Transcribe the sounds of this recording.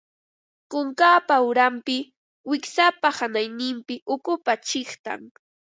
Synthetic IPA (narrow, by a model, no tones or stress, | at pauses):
kʊŋkaːpaʊɾampɪ | wɪksapahanajnɪmpɪʔʊkʊpat͡ʃɪχt̪a̰ŋ